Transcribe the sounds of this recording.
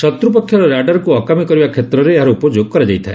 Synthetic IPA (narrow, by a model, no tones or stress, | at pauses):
sɔt̪ɾupɔkʰːjɔɾɔɾaɖɔɾɔkuɔkamikɔɾibakʰet̪ɾɔɾeːɦaɾɔupɔd͡ʒoɡ̚kɔɾad͡ʒajt̪ʰae